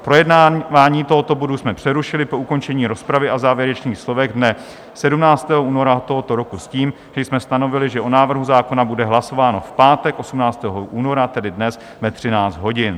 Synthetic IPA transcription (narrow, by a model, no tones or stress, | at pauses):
pɾo̞jɛdnavaːɲiːt̪o̞ɦot̪obodusmɛpr̝̥ɛɾuʃɪlɪpo̞uko̞nt͡ʃɛɲiːɾo̞spɾavɪʔazaːvjɛɾɛt͡ʃniːxslo̞vɛɣdnɛ | sɛdumnaːt͡st̪ɛːɦoʔuːno̞ɾat̪o̞ɦo̞t̪o̞ɾo̞kusciːm | ʒ̥ɛjsmɛst̪ano̞vɪlɪʒɛʔonaːvr̩ɦuzaːko̞nabudɛɦlaso̞vaːno̞fpaːt̪ɛkʔo̞sumnaːt͡st̪ɛːɦoʔuːno̞ɾat̪ɛdɪdnɛs | vɛt̪r̝̥ɪnaːt͡sd̪ɦo̞ɟɪn